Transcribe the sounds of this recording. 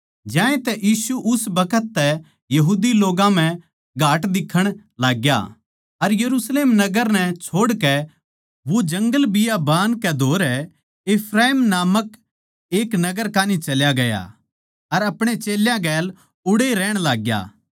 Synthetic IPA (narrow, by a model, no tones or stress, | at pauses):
d͡ʒjãːẽt̪ɛʔjiːsuʔʊsbɐkət̪ːɛ | jɐɦuːd̪iloːɡãm̤ɛ̃ | ɡʱaːʈd̪ɪkʰːəɽ̃laːɡja̰ | ɐɾjɐɾuːsleːmnɐɡəɾnɛ̃t͡ʃʰoːɽkɛ | ʋod͡ʒɐ̃ŋɡəlbɪjabaːnkɛd̪ʱoːɾɛ | ɪpʰɾaːiːmnaːmək | eːknɐɡəɾkaːnit͡ʃɐljaɡɐja̰ | ɐɾɐpɽ̃et͡ʃeːljãɡɛːl | ʊɽeɾɛːɽ̃laːɡja̰ː